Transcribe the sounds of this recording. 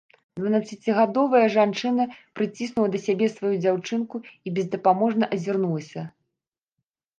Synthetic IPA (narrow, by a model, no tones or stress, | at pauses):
d̪vɐnat̪sːɐt͡sʲiɣad̪ɔvɐjɐʐant͡ʂɨnɐpɾɨt͡sʲisnuw̪ˠɐd̪ɐsʲabʲɛsvajud͡zʲawt͡ʂɨnkuibʲɛzd̪ɐpamɔʐnɐʔɐzʲirnulˠɐsʲɐ